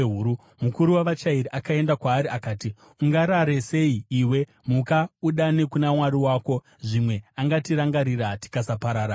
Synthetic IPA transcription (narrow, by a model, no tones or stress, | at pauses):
ɦuɾu | mukuɾuwaʋat͡ʃaiɾiʔakae̞ndakwaːɾiakaːti | uŋɡaɾaɾese̞iiːwe̞ | mukauɗane̞kunamwaɾiwaːko̞ | ʐimwe̞aŋɡatiɾaŋɡaɾiɾati̥kasapaɾaːɾa